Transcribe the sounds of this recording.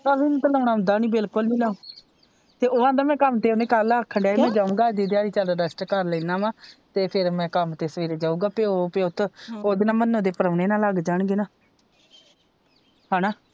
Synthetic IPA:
əʋint̪ələːɳaːʊ̃nd̪aːnĩːbɪlkʊlnĩːlaũː | t̪eːoːãːd̪aːmɛ̃ːkəmt̪eːonẽːkələkʰːəɳɖaːeːmɛ̃ːd͡ʒaːũːɡaːd̪iːd̪jaːɾiːt͡ʃaːɖaːɖəsʈkəɾləːnaːʋãːt̪eːpʰɪɾmɛ̃ːkəmt̪eːsəʋiːɾeːd͡ʒaːũːɡaːpeːoːpeʊt̪ʰːoːd̪ɪnãːmənːõːd̪eːpəɾəʋneːnaːlaɡd͡ʒaːɳɡeːnaː | haːnaː

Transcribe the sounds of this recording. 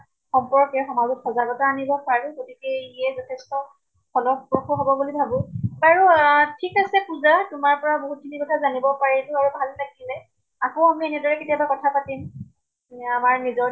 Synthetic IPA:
xɔmpɔɹkɛxɔmazutxɔzaɡɔtaaːnibɔpaɹʊɡotikɛɛzɔtʰɛstɔ | pʰɔlɔbɹɔxuɦɔbɔbulibʱabʊ̃baɹutʰikasɛkuzatʊmaɹpɔɹaboɦut̚tʰinikɔtʰazanibɔpaɹɛlʊaɹubʱalnaɡilɛ | akoamienidɔɹɛketijabakɔtʰapatim | amaɹnizɔ

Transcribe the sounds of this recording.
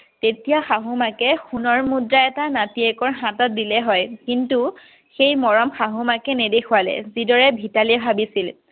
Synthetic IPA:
tetijaxaɦumakɛxunɔɹmudɹaɛtanatiɛkɔɹɦãtɔt̚dilɛɦɔjkintu | xejmɔɹɔmxaɦumakɛnedexʰualɛ̰zidɔɹɛbʱitaliɛbʱabisil

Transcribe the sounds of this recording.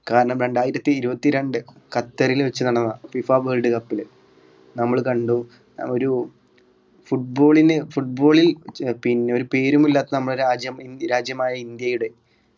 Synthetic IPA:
kaːɾɐɳɐmɾe̞ɳɖaːjiɾɐt̪ːiːɾubɐt̪ːiɾeɳɖɨkɐt̪ːɐɾilʋet͡ɕːɨnɐɳɐnːɐfifaːʋeːlɖɨkɐpːil | nɐmːɐɭkɐɳɖu | o̞ɾu | fuʈ̚bo̞ːɭinefuʈ̚bo̞ːɭilpinːeo̞ɾupe̞ːɾumilːaːt̪ːɐnɐmːɐɭaːd͡ʑjɐmiɾaːd͡ʑjɐmaːjɐind̪jɐjuɽe̞

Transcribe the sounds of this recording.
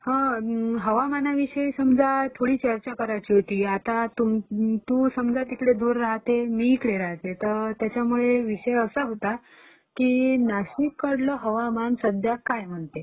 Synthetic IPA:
hə̃ɦəʋamanaʋiɕəjsəmd͡zat̪ʰoɽiːt͡ɕəɾt͡ɕakəɾajt͡ɕiːɦot̪iːat̪at̪umt̪usəmd͡zat̪ikɽed̪uːɾːaɦt̪emiːkɽeɾaɦt̪et̪əɾt̪jat͡ɕjamuɭeʋiʂəjəsəɦot̪a | kiːnaɕikːəɽlɔɦəʋamansəd̪ʱjakajm̤əɳt̪e

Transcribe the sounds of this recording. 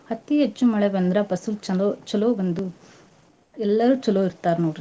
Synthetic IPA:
hɐt̪ːiɦet͡ʃːumɐɭɛbɐnd̪ɾɐpɐsult͡ʃɐloːt͡ʃɐloːʋɐnd̪u | ɛlːɐɾuːt͡ʃɐloːiɾt̪aːɾnoːɽ

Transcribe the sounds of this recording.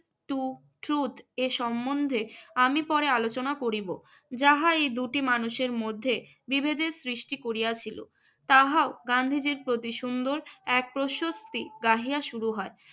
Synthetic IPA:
ʈu | ʈɾut̪eʃɔmːond̪ʱeamipɔɾealot͡ɕonakoɾibo | d͡ʑaɦaejd̪uʈimanuʃeɾmod̪ʱːe | bibʱed̪esɾiʃʈikoɾijat͡ɕʰilo̰ | t̪aɦaoɡand̪ʱid͡ʑiɾpɾot̪iʃund̪oɾɛk̚pɾoʃost̪iɡaɦijaʃuɾuɦɔe

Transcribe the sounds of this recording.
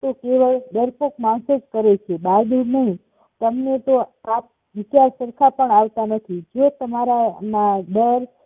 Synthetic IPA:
t̪okeʋəɭɖəɾpokmãnsed͡ʒkəɾet͡ʃʰebad̪unəɦĩ | t̪əmnet̪oap̚ | ʋɪt͡ʃaɾsəɾkʰapəɳaʋt̪anət̪ʰid͡ʒot̪əmaɾanaɖəɾ

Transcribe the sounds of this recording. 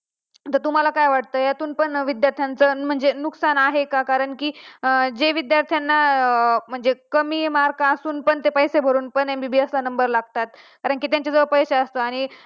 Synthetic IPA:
t̪əɾt̪um̤alakajʋaʈ̚t̪əːjat̪uːnpəɳʋid̪jaɾt̪ʰjant͡səm̤əɳd͡zenuksanaɦekakaɾəɳkiːd͡ʑeʋid̪jaɾt̪ʰjanːam̤əɳd͡zekəmiːmaɾkaːsuːnpəɳt̪epəjsebʱəɾuːnpəɳembibiəslanəmbəɾlaɡt̪at̪̚kaɾəɳkit̪jaɲt͡ɕad͡zəʋəɾpəjɕaəst̪oaɽ̃i

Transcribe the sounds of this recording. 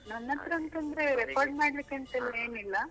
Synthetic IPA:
nɐnːɐt̪ːɾɐɐnt̪ɐnd̪ɾeɾekaːɾɖmaːɽlikːeɐnt̪ɐlːɐeːnilːɐ

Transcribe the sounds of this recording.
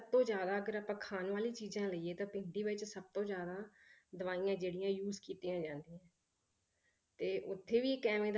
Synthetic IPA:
b̚t̪õːzjaːd̪aːəɡəɾaːpãːkʰaːnʋaːliːt͡ʃiːzãːləiːeːt̪ãːpɪ̃nd̪iːʋɪt͡ʃsəb̚t̪õːd͡ʒjaːd̪aːd̪əʋaːiːãːd͡ʒeːɽijãːjuːzkiːt̪iːãːd͡ʒãːnd̪ijãː | t̪eːʔʊt̪ʰːeːʋiːkɛːmẽːd̪

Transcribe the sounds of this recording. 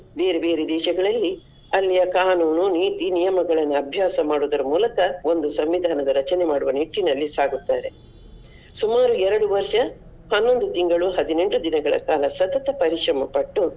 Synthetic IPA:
be̞ːɾebeːɾed̪ɛːʃɐɡɐɭɐlːi | ɐlːijɐkaːnuːnuniːt̪inijɐmɐɡɐɭɐnːuɐbʱjaːsɐmaːɽud̪ɐɾɐmuːlɐkɐo̞nd̪usɐmʋid̪ʱaːnɐd̪ɐɾɐt͡ʃɐnemaːɽuʋɐniʈːinɐlːisaːɡut̪ːaːɾe̞ | sumaːɾuɛɾɐɽuʋɐɾʂɐ | hɐnːo̞nd̪ut̪iŋɡɐɭuɦɐd̪ine̞ɳʈud̪inɐɡɐɭɐ̰kaːlɐsɐt̪ɐt̪ɐpɐɾiʂɾɐmɐpɐʈːu

